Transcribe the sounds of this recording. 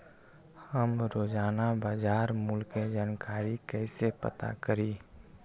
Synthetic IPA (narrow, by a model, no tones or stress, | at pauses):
həmɾoːd͡ʒaːnabaːd͡ʒaːɾmʊlked͡ʒankaːɾikəɪsepə̰t̪a̰kəɾiː